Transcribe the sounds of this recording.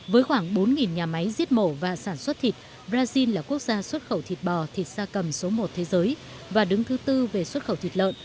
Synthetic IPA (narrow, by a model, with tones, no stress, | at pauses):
vəː˨˦jxwaː˧˩ŋɓo˨˦nŋi˨˩nɲaː˨˩ma˨˦jzi˦˥ət̚mo˧˩vaː˨˩saː˧˩nswə˦˥t̚t̪ʰi˨˩t̚ | ɓɾaː˧zi˧nlaː˨˩ku˦˥ək̚zaː˧swə˦˥t̚xə˧˩wt̪ʰi˨˩t̚ɓɔ˨˩t̪ʰi˨˩t̚zaː˧kə˨˩mso˨˦mo˨˩t̚t̪ʰe˨˦zəː˨˦j | vaː˨˩ɗɨ˨˦ŋt̪ʰɨ˨˦t̪ɨ˧ve˨˩swə˦˥t̚xə˧˩wt̪i˨˩t̚lə̰ː˧˨n